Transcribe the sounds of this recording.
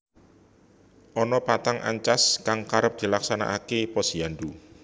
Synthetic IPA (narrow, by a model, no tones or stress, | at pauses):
ʔɔnɔpat̪aŋʔa̰ɲt͡ʃaskaŋkaɾəp̚d̪̥i̤laksana̰ʔakepɔsijandu